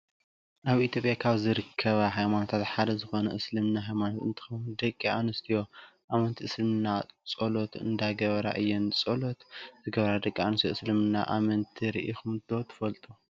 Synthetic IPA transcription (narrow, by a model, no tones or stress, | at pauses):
ʔaβit̪ʰjo̞pʼjakʰaβzɨɾɨkʰːɐβaɦajmano̞t̪ʰat̪ħad̪ɐzɨxo̞nɐʔɨslɨmnaɦajmanot̪ɨnt̪ʰɨ̥xɐwund̪ɐkʼːianɨst̪ʰijo̞ʔamɐnt̪ʰiʔɨslɨmɨnːat͡sʼolot̪ʰɨ̰nd̪aɡɐβɐɾa̰ʔɨjːont͡sʼolot̪zɨɡɐβɐɾad̪ɐkʼːianɨst̪joɨslɨmɨnːa̰ʔamɐnt̪ʰiɾḭʔixumd̪ot̪ʰɨ̥fɐlt̪ʼu